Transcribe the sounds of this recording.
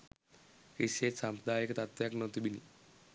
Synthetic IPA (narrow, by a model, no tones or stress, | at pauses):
kisesampd̪aekt̪at̪ʋjaknɔt̪ibinḭ